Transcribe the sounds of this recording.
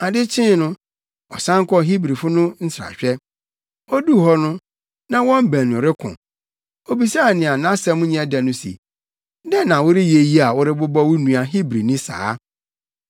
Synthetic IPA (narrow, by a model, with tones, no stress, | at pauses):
a˨dɪ˦t͡ɕʰɪ̃˦nʊ̃˦ | ɔ̰˨sã˦ŋ˦kɔ˦ɦi˦bɾi˨fʊ˦nʊ̃˦n̩˦sa̰˨ɕᶣɛ˦ | ɔ˦du˦˨hɔ˦nʊ̃˦ | nã˦wɔ̃˦m˦bæ̃˨nʊ̃˨ɾɪ˦kʰʊ̰̃˨ | o˨bi˨sa˦a˨nɪ̃˨a˨nã˦sɛ˦mʊ̃˦ɲɛ̃˦da˨nʊ̃˦sḭ˨ | dɛ˦nã˨wʊ˦ɾɪ˦je˨ji˦a˨wʊ˦ɾɪ˦bʊ˦bɔ˦wʊ˦nũ˨a˨ɦi˦bɾi˨nĩ˦sa̰ː˦